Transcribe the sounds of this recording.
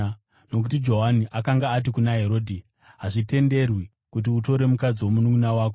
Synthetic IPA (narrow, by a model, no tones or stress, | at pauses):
no̞k̬utid͡ʒo̞ɦaniʔakaŋɡaːt̬ikunaɦe̞ɾo̞ːdʱi | ɦaʐite̞nde̞rwi | kut̬iuto̞ɾe̞mukad͡ziwo̞munuɡunawaːk̬o